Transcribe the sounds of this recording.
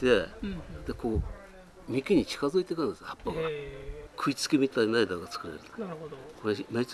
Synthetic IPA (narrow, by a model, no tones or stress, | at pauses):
t̪e̞d̪̥ekoː | mʲikeɲ̟it͡ɕi̥kazɨit̪ekɯ̃nesapːaɡakʰɯ̟it͡sɨ̥kemʲit̪ainaid̪aɡat͡sɨ̥kɯ̟ɾeɾɯt̪o̥koɾemet͡s